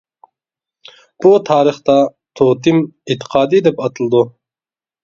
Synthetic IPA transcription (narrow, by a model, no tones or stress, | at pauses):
b̥ut̪ʰɑːɾɨχt̪ɑ | t̪ʰot̪ʰɪmit̪ʰːə̥qʰɑːd̪ɨd̪ɛpɑt̪ʰɨlˠɨd̪u